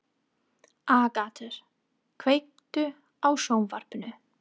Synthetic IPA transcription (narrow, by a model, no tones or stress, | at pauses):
aːkaːt̪ʰʏɾ̥ | kʰvejk̚t̪ʏ | awsoːwmvar̥pʏnʏ